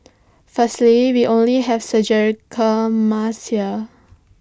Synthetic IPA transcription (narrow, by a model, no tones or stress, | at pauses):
fəstliwiʔõnliɦɛvsəd͡ʒəɹkʰəmasia